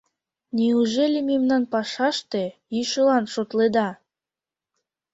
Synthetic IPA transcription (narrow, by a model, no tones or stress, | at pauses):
niuʒelʲememnɑnpɑʃɑʃt̪ejyʃə̆lɑnʃot̪led̪ɑ